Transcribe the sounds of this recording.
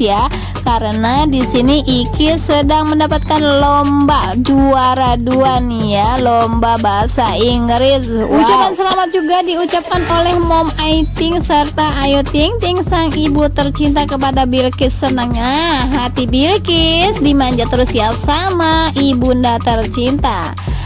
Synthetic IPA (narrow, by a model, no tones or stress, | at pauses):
ja | kaɾənadisiniʔikɪsədaŋməndapat̪̚kanlombad͡ʒuaɾaduanijalombabaɦasaiŋɡɾɪsut͡ʃapansəlamat̪̚d͡ʒuɡadiut͡ʃap̚kanolɛhmɔmajt̪ɪŋsərt̪aʔːjot̪iŋt̪ɪŋsaŋibut̪ərt͡ʃint̪̬akəpadabilkɪsːənəŋɲaɦat̪ibilkɪsdimaɲd͡ʒat̪əɾʊsjasamaibundat̪ərt͡ʃint̪a